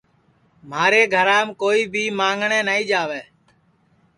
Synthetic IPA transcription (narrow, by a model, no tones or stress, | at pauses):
maːɾeːɡʱəɾaːmkoːiːbʱiːmãːŋɡɳeːnaːiːd͡ʒaːʋeː